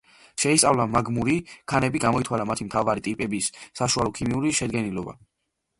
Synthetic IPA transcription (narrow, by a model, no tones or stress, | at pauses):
ʃɛist̪sʼavlamaɡmuɾikʰanɛbiɡamɔit̪ʰwalamat̪ʰimt̪ʰavaɾit̪ʼipʼɛbisːaʃualˠɔkʰimiuɾiʃɛd̪ɡɛnilɔba̰